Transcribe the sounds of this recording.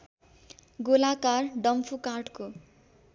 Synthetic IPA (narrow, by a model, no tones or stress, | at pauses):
ɡolakarɖʌmpʰukarʈko